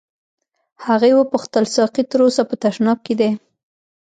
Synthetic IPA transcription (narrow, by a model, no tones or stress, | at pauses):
haɣewəpʊxt̪əlsɑqit̪əɾosapət̪aʃnɑb̚ked̪e